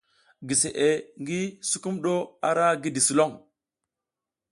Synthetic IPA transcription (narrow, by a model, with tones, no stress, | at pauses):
ɡi˨se˨ʔe˨ŋɡi˦su˦ku˦mɗo˦a˦ɾa˦ɡi˦di˨su˨lo˦ŋ